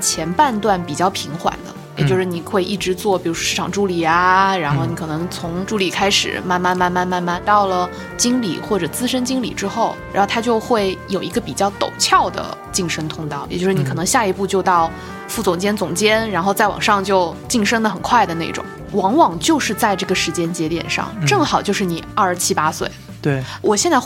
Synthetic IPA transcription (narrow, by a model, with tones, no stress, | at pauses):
t͡ɕʰjɛ˧˥npa˥˧nt̪wa˥˩npi˨˩t͡ɕjɑ˥˩ʊpʰi˧˥ŋxwa̰˨˩nd̪ə̰˦jɛ˨˩t͡ɕjo˥˧ʊʂɻ̩˥˩ni˨˩xwe˥˧ɪʔi˥˩ʈ͡ʂɻ̩˧˥t͡swɔ˥˩pi˨˩ɻu˧˥ʂwɔ˥ʂɻ̩˥˩ʈ͡ʂʰɑ̰˨˩ŋʈ͡ʂu˥˩li˨˩a˧ɻa˧˥nxo˥˩ʊni˧˥kʰɤ˨˩nɤ˧˥ŋt͡sʰʊ˧˥ŋʈ͡ʂu˥˩li˨˩kʰa˥ɪʂɻ̩̰˨˩ma˥˧nma˥˧nma˥˧nma˥˧nma˥˧nma˥˧nt̪ɑ˥˩ʊlə˩ | t͡ɕi˥ŋlḭ˨˩xwɔ˥˩ʈ͡ʂɤ˨˩t͡sɹ̩˥ʂə˥nt͡ɕi˥ŋlḭ˨˩ʈ͡ʂɻ̩˥xo˥˩ʊɻa̰˧˥xo˥˩t̪ʰa˥t͡ɕjo˥˧ʊxwe˥˩ɪjo˨˩ʊi˧˥ɡə˧pi˨˩t͡ɕjɑ˥˩ʊt̪o˨˩ʊt͡ɕʰjɑ˥˩ʊd̪ə̰˩t͡ɕi˥˩ŋʂɤ˥ŋt̪ʰʊ˥ŋt̪ɑ˥˩ʊjɛ̰˨˩t͡ɕjo˥˧ʂ̩˥˩ni˧kʰɤ˨˩nɤ˧˥ŋɕja˥˩i˧˥pu˥˧t͡ɕjo˥˧ʊt̪ɑ˥˩˧ʊ | fu˥˩t͡sʊ˨˩ŋt͡ɕjɛ˥nt͡sʊ˨˩ŋt͡ɕjɛ˥nɻa˧˥nxo˥˧ʊt͡sa˥˩ɪwɑ̰˨˩ŋʂɑ˥˧ŋt͡ɕjo˥˧ʊt͡ɕi˥˩ŋʂɤ˥ŋd̪ə˨˩xə˨˩nkʰwa˥˩ɪd̪ə˩ne˥˩ʈ͡ʂʊ̰˨˧˩ŋ | wɑ˧˥ŋwɑ˨˩ŋt͡ɕjo˥˧ʊʂɻ̩˥˧t͡sa˥˧ɪʈ͡ʂɤ˥˩ɡə˩ʂɻ̩˧˥t͡ɕjɛ˥nt͡ɕjɛ˧˥t̪jɛ̰˨˩nʂɑ̰˥˧ŋʈ͡ʂɤ˥˩ŋxɑ˨˩ʊt͡ɕjo˥˧ʊʂɻ̩˥˩ni˨˩ə˞˥˧˩ʂt͡ɕʰi˥pa˥swḛ˥˩ɪ | t̪wɔ˨˩ɕjɛ˥˧nt͡sa˥˧ɪ